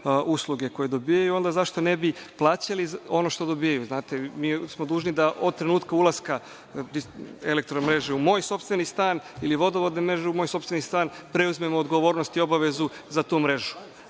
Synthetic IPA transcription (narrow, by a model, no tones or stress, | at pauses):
ʔuslˠuɡe̞ko̞je̞d̪o̞bijajuo̞nd̪azaʃt̪o̞ne̞biplˠaːt͡ɕalizo̞no̞ʃt̪o̞d̪o̞bijajuznaːt̪e̞miːsmod̪uːʒnid̪aʔod̪̚t̪ːɾe̞nuːt̪kaulˠaska | d̪ielek̚t̪ɾomɾe̞ʒeumo̞ːjso̞pst̪ʋe̞nist̪aːniliʋo̞d̪oʋod̪nemɾe̞ʒeumo̞ːjso̞pst̪ʋenist̪aːnpɾe̞uzme̞moːd̪ɡo̞ʋoːɾnost̪io̞baʋe̞zuzat̪uːmɾe̞ʒu̥